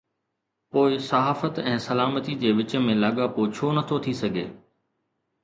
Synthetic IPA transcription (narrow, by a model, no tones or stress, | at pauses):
poːɪsɐɦaːfət̪ɛ̃ːsɐlaːmət̪id͡ʑeːʋɪt͡ɕmẽlaːɠapoːt͡ɕʰoːnɐt̪ʰot̪ʰisɐɡʱḛː